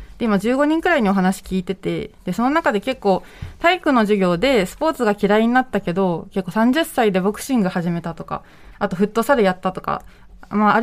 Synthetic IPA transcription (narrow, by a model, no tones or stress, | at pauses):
d̪̥e̞imad͡ʑɨːɡo̞ɲ̟ĩŋkɯ̟ɾaiɲ̟io̞ɦanaɕi̥kʲiːt̪e̞t̪e̞̰d̪̥e̞so̞no̞nakad̪e̞ke̞kːo̞ː | t̪aikɯ̟no̞ʑiɡʲo̞ːd̪e̞sɨ̥po̞ːt͡sɨɡakʲiɾaiɲ̟inat̪ːake̞d̪o̞ke̞kːo̞sãɲ̟d͡ʑɨsːaid̪e̞bo̞kɯ̟̥ɕĩŋɡahaʑime̞t̪at̪o̞ka̰ | at̪o̞ɸɯ̟t̪ːo̞saɾejat̪ːat̪o̞ka̰ | maː